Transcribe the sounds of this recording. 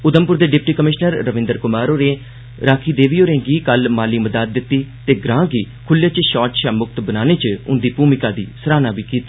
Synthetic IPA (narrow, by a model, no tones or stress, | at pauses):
ʊd̪əmpʊɾd̪eːɖɪp̚ʈiːkəmɪʃnəɾːəʋɪ̃nd̪əɾkʊmaːɾoːɾẽː | ɾaːkʰiːd̪eːʋiːoːɾẽːɡiːkəlmaːliːməd̪aːt̪̚d̪ɪt̪ːiːt̪eːɡɾãːɡiː | kʰʊljaːt͡ʃʃɔːʈʃaːmʊk̚t̪bənaːneːt͡ʃʊ̰nd̪iːpuːmɪkaːd̪ḭːsəɾaːnaːbiːkiːt̪i̥ː